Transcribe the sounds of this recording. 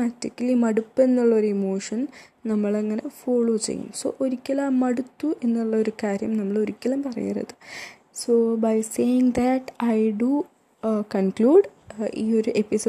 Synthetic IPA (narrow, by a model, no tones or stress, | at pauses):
atːikːɐlimɐɽupːe̞nːuɭːɐoɾemoːʂɐnnɐmːɐɭɐŋːɐnefoːɭoːt͡ɕḛjːṵmso̰ːʔoɾikʲːɐlaːmːɐɽut̪ːuʔe̞nːuɭːɐoɾukaːɾjɐ̰mnɐmːɐɭo̞ɾikʲːɐlɐmpɐrɐ̰jḭrɐ̰ðɨ | soːbɐjseːjɪŋd̪ɐʈɐjɖu | kɐnkluːɖiːo̞ɾuʔe̞pisoː